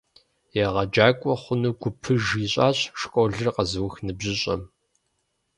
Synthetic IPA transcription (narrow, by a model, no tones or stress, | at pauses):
jeʁɐd͡ʒaːkʷʼɔχʷʊnuɡʷʊpʰɨʒiːɕʼaːɕʂkʷʼɔɮɨrqɐzɨwxnɨbʑɪɕʼɐ̰m